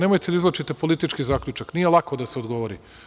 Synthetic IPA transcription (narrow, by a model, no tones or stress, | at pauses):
nemojt̪ed̪iizlˠot͡ʃit̪epo̞lit̪it͡ʃkizaːkʎʲut͡ʃaknije̞lˠakod̪aseod̪ɡo̞ʋo̞ɾḭ